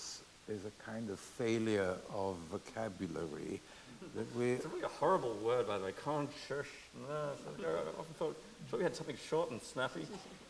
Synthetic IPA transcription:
s | ðəzɨkʰãɪ̃ndʌv̥feɪlˠjə˞ʌvːəkʰæbjɨlˠə̰ɹḭ | ðɨt̚wisəɹɪliəhɔɹəbl̩ˠwɜ˞d̚baɪlaɪkʰɑ̃nt͡ʃʰɜ˞ʃ | n̩əsnɡoʊaʔɑfn̩θɔt̚ʰ | ɔwiɨd̥sʌ̃mθɪ̃ŋʃɔɹɾn̩snæfi

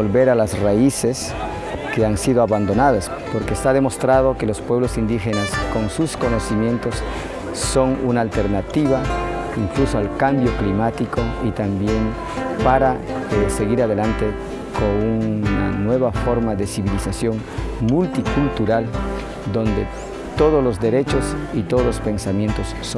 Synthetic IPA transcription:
olβe̞ɾalasraises | keansiðoaβand̪o̞naðas | po̞ɾkeːst̪aðe̞mo̞st̪ɾað̞o̞ke̞lo̞spwe̞β̞losind̪ixenasko̞nsusko̞no̞simje̞nt̪o̞sː | o̞ŋunaːlt̪eɾnat̪iβa | iŋklusoalkambjo̞klimat̪iko̞it̪ambje̞n | paɾaese̞ɣiɾaðelant̪e̞ | koŋunanwe̞βafo̞ɾmaðesiβilisasjo̞ŋmult̪ikult̪uɾal | d̪o̞nd̪e̞̰ | t̪o̞ð̞oslo̞zd̪e̞ɾe̞t͡ʃo̞sit̪oðozlo̞spe̞nsamje̞nt̪osːo

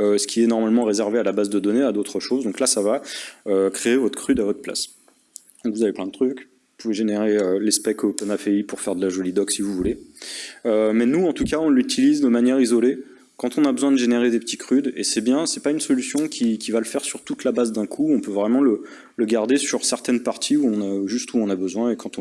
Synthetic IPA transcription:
øsə̥kʲʰiɛnɔʁmalmɑ̃ʁezɛʁvealabazd̪əd̪ɔnead̪ot̪χəʃozd̪ɔ̃klasavaøkχeːvɔt̪χəkχyd̪avɔt̪χpla̰s | d̪ɔ̃kvuzaveplɛ̃d̪ət̪χykvupuveʒeneʁeølɛspɛkopɛnafeipuʁfɛʁd̪əlaʒɔlid̪ɔksivuvule | ømɛnuɑ̃t̪ukaɔ̃lyt̪ʰilizd̪əmanjɛʁizɔle | kɑ̃t̪ɔ̃nabəzwɛ̃d̪əʒeneʁed̪epət̪ʰitkχyd̪ḛsɛbjɛ̃sɛpaynsɔlysjɔ̃kʲʰikʲʰivaləfɛʁsyʁt̪ut̪labazd̪ɛ̃kʰuɔ̃pøvʁɛmɑ̃lə | ləɡaʁd̪esyʁsɛʁt̪ɛnpaʁt̪ʰiuɔ̃naʒyst̪uɔ̃nabəzwɛ̃ekɑ̃t̪ɔ̃

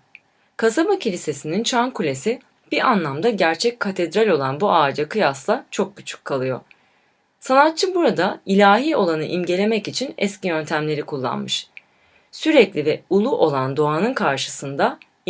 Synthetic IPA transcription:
kʰasabacʰilʲise̞sinint͡ʃʰankʰulʲe̞si | b̥ianlˠamd̪aɟæɾt͡ʃʰɛc̚ʰːat̪ʰed̪ɾalʲo̞lˠanbuaːd͡ʒakɯjaslˠat͡ʃʰo̞k̚but͡ʃʰu̥kʰːalˠɯjo̞̰ | sanat̪̚t͡ʃʰːɯbuɾad̪ailʲaːɦiːo̞lˠanɯʔimɟe̞lʲemɛcit͡ʃʰinɛ̰scʰijø̞nt̪ʰæmlʲe̞ɾikʰulˠːa̰nmɯʃ | syɾɛclʲivɛulˠuʔo̞lˠand̪o̞anɯnkʰaɾʃɯ̥sɯnd̪a

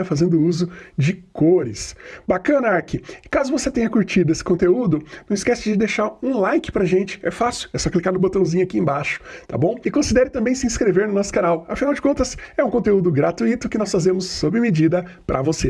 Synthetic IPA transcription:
ɐfazẽnd̪ʊuzʊd͡ʒɪkoɾɪsbakɐ̃nɐaɾkɪkazʊvoset̪ẽɲɐkuɾt͡ʃid̪ʊesɪ̥kõnt̪eud̪ʊnɐ̃w̃ɪskɛsɪd͡ʒɪd̪eʃaɾũlajkɪ̥pɾɐʒẽnt͡ʃɪ̥ɛ̰fasɪʊɛsɔklikaɾnʊbot̪ɐ̃w̃zĩɲʊakiẽbaʃʊ̥t̪a̰bõw̃ɪkõsid̪ɛɾɪt̪ɐ̃mbẽj̃sɪĩskɾeveɾnʊnɔsʊ̥kanawɐfinawd͡ʒɪkõnt̪ɐsɛũkõt̪eud̪ʊɡɾat̪uit̪ʊkɪnɔsfazẽmʊsːobɾɪmed͡ʒid̪ɐpɾʔɐ̰vose

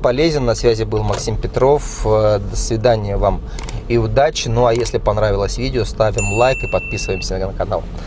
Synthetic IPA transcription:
pɐlʲezʲɪnːɐsvʲæzʲɪbɨlˠmɐksʲimpʲɪt̪ɾo̞fd̪əsvʲɪd̪anʲɪjəvam | ɪʊd̪at͡ɕɪnuɐjesʲlʲɪpɐnɾavʲɪlˠəsʲvʲidʲɪost̪avʲɪmlˠajkɨpɐt̪̚pʲisɨvəjɪmsʲənəkɐna̰lˠ

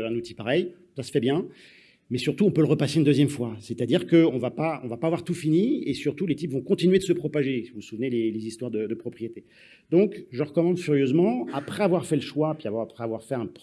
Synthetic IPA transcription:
ɛ̃nut̪ipaʁɛj | sasə̥fɛbjɛ̃ | mɛsyʁt̪uɔ̃pøləʁəpaseynd̪øzjɛmfwasɛt̪ad̪iʁkəɔ̃vapaɔ̰̃vapaːvwaʁt̪ufiniesyʁt̪ulet̪ipvɔ̃kɔ̃t̪inɥed̪əsəpχɔpaʒesivusuvnelelezist̪waʁd̪əd̪əpχɔpχijet̪e | d̪ɔ̃kʒəʁəkɔmɑ̃d̪fyʁjøzmɑ̃apχɛavwaʁfɛləʃwapɥiavapχɛavwaʁfɛɛ̃p

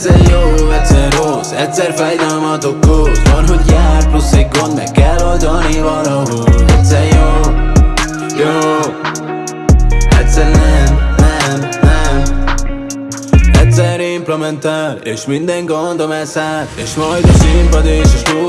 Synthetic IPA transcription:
sɛjoːɛsɛrːosɛtʲsɛrfɛjd̪ɛlmɒt̪okːovɒlɦoɟjaːrplusiɡɡond̪mɛ̰kːɛlːold̪ɒnivɒlɒɦolɛt̪sɛɾjoː | joː | ɛt̪sɛɾɛnɛɛ | ɛtʲsɛɾeimplɛmɛnt̪aleːʃmind̪ɛŋɡond̪omɛzaleːʃmɒjd̪ɔzeːmpɛd̪eːʃeʃno

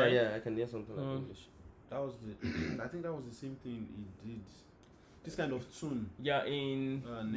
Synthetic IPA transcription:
ajaaɪkɨ̃nisʌ̃mθɪ̃ŋlãliʃðat̚wɔzðəaɪθɪ̃ŋk̚ðat̚wɔzðəsẽmθɪ̃ŋḭt̚dɪd | ðɪskãɪ̃ndɔv̥tʰũnjaʔɪnn

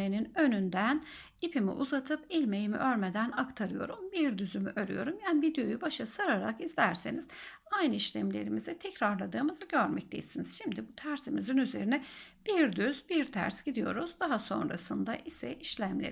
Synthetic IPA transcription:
eninø̞nynd̪æn | ipʰimḭʔṵzat̪ʰɯpilʲme̞jimḭʔø̞ɾme̞d̪ænakt̪ʰaɾɯjo̞̰ɾumbiɾd̪yzymyʔø̞ɾy̰jo̞ɾumjanivid̪ejo̞jubaʃasaɾaɾa̰kizlʲæɾseniz̥ | ajnɯiʃlʲemlʲe̞̰ɾimizɛt̪ʰɛcɾaɾlˠad̪ɯːmɯzɯɟø̞ɾmɛc̚t̪ʰḛisiniz̥ʃimd̪ibut̪ʰæɾsimizinyze̞̰ɾinɛb̥iɾd̪yzbiɾt̪ʰæ̰ɾsɟ̥id̪ijo̞̰ɾuz̥d̪aɦaso̞̰nɾasɯnd̪aʔisɛʔiʃlʲæmlʲḛ

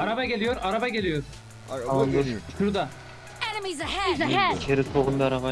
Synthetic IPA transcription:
aɾabaɡʲe̞lijo̞ɾaɾabaɡe̞lʲijo̞ɾ̥ | and̪uʃuɾd̪a | ɛnəmizhɛɛt͡ʃʰeɾit̪ʰoɣund̪aɾava

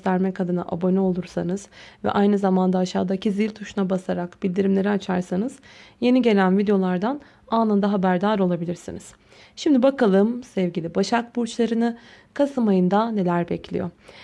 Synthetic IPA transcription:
t̪ʰæɾmɛkʰad̪ɯna̰ʔa̰bo̞nɛo̞lˠuɾsanɯzvɛ̰ʔajnɯzamand̪aːʃaːd̪acʰizilʲt̪ʰuʃunabasaɾakbilʲd̪iɾimlʲe̞ɾiat͡ʃʰaɾsanɯzje̞niɟe̞lʲænvid̪ejo̞lˠaɾd̪an | aːnand̪aɦabæɾd̪aːɾo̞lˠabilʲiɾsḭniz̥ | ʃimd̪ibakʰalˠɯmsɛvɟilʲibaʃak̚buɾt͡ʃlˠaɾɯnɯ | kʰasɯmajɯnd̪ane̞lʲæɾbɛcʰlʲḭjo

